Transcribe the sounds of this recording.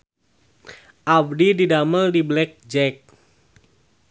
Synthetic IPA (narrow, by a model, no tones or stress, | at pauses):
ʔab̚dididaməldiblɛk̚d͡ʒɛk̚